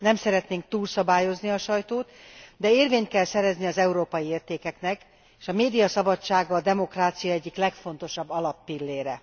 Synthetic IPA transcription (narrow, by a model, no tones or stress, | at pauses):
nɛmsɛɾɛt̪neːŋk̚t̪uːlsɒbaːjo̞zniɒʃɒjt̪oːt̪d̪ɛeːrveːɲt̪̚kɛlsɛɾɛzniɒzɛuɾoːpɒjieːrt̪eːkɛknɛk | eːʃɒmeːd̪ijɒsɒbɒt͡ʃːaːɡɒːd̪ɛmo̞kraːt̪sijɒɛɟːiklɛkfo̞n̪t̪o̞ʃɒbːɒlɒpːilːeːɾɛ